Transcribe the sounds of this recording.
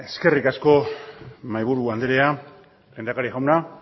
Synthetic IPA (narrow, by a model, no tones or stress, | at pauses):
e̞ske̞rikasko̞ | majβuɾuand̪eɾea | lend̪akaɾiɣawna